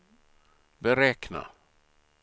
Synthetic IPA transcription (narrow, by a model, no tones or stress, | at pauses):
bɛɾɛːkna̰